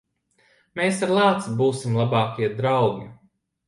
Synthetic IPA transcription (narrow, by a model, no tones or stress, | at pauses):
meːsaɾlˠaːt̪sibuːsimlˠabaːkiɛd̪ɾawɡi